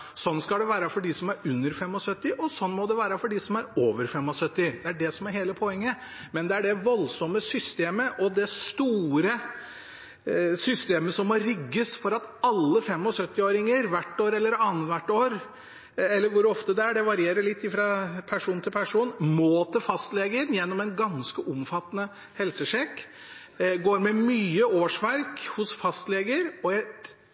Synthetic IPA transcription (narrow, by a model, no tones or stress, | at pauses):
sɔnskɑld̪ɛʋæːɾəfɔɖɪsɔmæɾʉnːəɾfɛmːɔsœt̪ːɪʔɔsɔnːmɔd̪ɛʋæːɾəfɔɖɪsɔmæɾoːʋəɾfɛmːɔsœt̪ːɪd̪ɛæɖɛsɔmæɾheːləpʰɔɛŋːə | mɛnd̪ɛæɖɛʋɔlsɔmːəsʏst̪eːməʔɔd̪ɛst̪uːɾə | sʏst̪eːməsɔmːɔɾɪɡːəsfɔɾɑt̪ɑlːəfɛmːɔsœt̪ːɪoːɾɪŋəɾʋæʈːoːɾɛlːəɾɑːn̩t̪ʋæʈːoːɾ | ɛlːəɾʋʊɾɔft̪əd̪ɛæɖɛʋɑɾɪeːɾəɭɪt̪ːɪfɾɑpʰæʂuːnt̪ʰɪlpʰæʂuːnmoːt̪əfɑst̪leːɡənjɛnːɔmɛnɡɑnskəʔʊmfɑt̪ːənə | hɛlsəʂɛkː | ɡoːɾmɛmyːəoːʂʋæɾkhʊsfɑst̪leːɡəɾɔɛ